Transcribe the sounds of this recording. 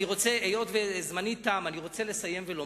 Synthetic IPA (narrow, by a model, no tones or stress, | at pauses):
iʁo̞t͡seejo̞tvezmanitːaːmaniʁo̞t͡se̞le̞saje̞mvelo